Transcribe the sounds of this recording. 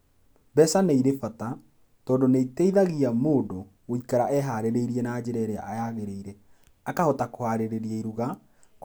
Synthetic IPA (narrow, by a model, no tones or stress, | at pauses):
bɛsaneiɾefata | tɔːndoneiteiðaɣiamoːdo | oikaɾaʔɛɦaɾeɾeiɾiɛnaːd͡ʑeɾɛɾɛa̰ʔajaɣeɾeiɾɛ | akahɔtakohaɾeɾeɾiaiɾuɣa | k